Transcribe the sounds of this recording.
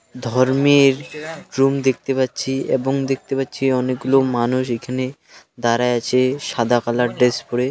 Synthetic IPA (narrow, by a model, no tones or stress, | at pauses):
d̪ʱɔɾmeɾɾumd̪ek̚ʰt̪epatːɕʰiḛboŋd̪ek̚t̪epatːɕʰiɔnek̚ɡulomanuʃ̬ekʰane | d̪aɾaeat͡ɕʰeʃad̪ʱakalaɖɾespoɾe